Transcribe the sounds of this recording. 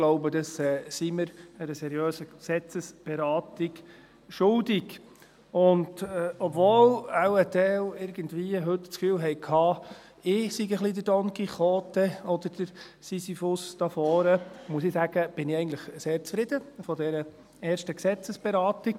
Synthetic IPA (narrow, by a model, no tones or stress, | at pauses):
ɡ̥loʊbəd̥̪ɑsɛːsiməɾæɾəsɛɾiøːsəksɛt͡səsb̥ɛɾɑːtɪk | ʃʊldɪɡ | ʊndɛɔbvɔːlawətɛlɪɾɡəndviːəɦɵtt͡skfyːwɦɛjkʰhɑː | ɪsiɡəχlid̪ədɔnkiχɔːt̪əɔd̪əɾd̥əɾsisifʊsd̥̪ɑfɔːɾəmuəsɪsæɡ̥əb̥ɪnɪɛɪɡəntləχseːɾt͡sfɾɪd̥̪əfɔd̪ɛɾə | ɛːʃtəksɛt͡səsb̥eɾɑːt̪ɪk